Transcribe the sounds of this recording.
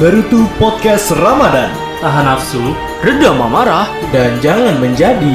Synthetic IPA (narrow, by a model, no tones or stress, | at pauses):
bəɾut̪upɔt̪̚kɛsramadan | t̪aɦanafsu | rədamamaɾah | dand͡ʒaŋanməɲd͡ʒadi